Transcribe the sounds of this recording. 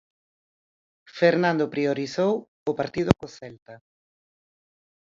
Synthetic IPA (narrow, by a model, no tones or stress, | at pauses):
feɾnãnd̪ʊpɾioɾiθow | ʊpaɾt̪iðʊkoθɛlt̪a